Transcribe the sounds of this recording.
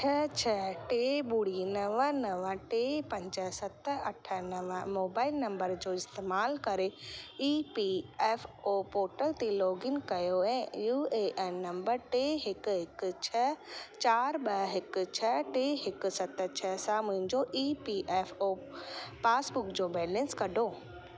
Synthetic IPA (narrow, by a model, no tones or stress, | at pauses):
t͡ʃʰɛt͡ʃʰɛʈeɓuɽinɐʋənɐʋə̃ʈeːpɐ̃ɲd͡ʒəsɐt̪ɐʈʰːənɐʋə̃moːbaːɪlnɐ̃mbəɾd͡ʑoːɪst̪eːmaːlkɐɾeiːpiɛːfopoːɾʈəlt̪eloːɡɪŋkɐjoɛ̃ːjuːeːʔɛːnːɐ̃mbəɾʈeɦɪkɦɪkt͡ʃʰɛt͡ɕaːɾɓɐɦɪkt͡ɕʰɛʈeːɦɪksɐt̪t͡ɕʰɛsãmʊ̃ɦɪ̃ɲd͡ʑoʔiːpiʔɛːfoː | paːsbʊkd͡ʑoːbɛːlɛ̃nskɐɖoː